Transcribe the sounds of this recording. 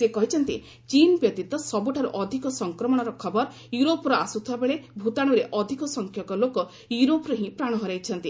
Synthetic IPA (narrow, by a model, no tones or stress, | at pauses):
sekɔɦit͡ʃʰɔnt̪i | t͡ʃinbjɔt̪it̪ɔsɔbuʈʰaɾuʔɔd̪ʱikɔsɔŋkɾɔmɔɽ̃ɔɾɔkʰɔbɔɾ | juɾopɔɾɔasut̪ʰiabeɭebʱut̪aɽ̃uɾeʔɔd̪ʱikɔsɔŋkʰjɔkɔlokɔ | juɾopɔɾɔɦĩpɾaɽ̃ɔɦɔɾajt͡ʃʰɔnt̪i